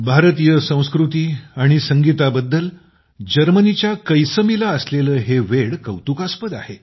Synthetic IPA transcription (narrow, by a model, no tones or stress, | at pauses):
bʱaɾt̪ijəsə̃w̃skɾut̪iːaɽ̃isəŋɡit̪abəd̪ːəl | d͡ʑəɾmənit͡ɕjakəjsəmilaəsleləːɦeʋeɽkəwt̪ukaspəd̪a̰he